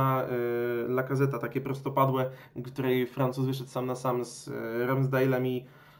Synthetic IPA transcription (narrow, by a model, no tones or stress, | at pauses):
a | lakazɛt̪at̪akʲɛpɾɔst̪ɔpad̪wɛ | kt̪uɾɛjfɾant̪suzvɘʂ̬ɛt̪samnasamz̰ɾamzd̪ajlɛmʲi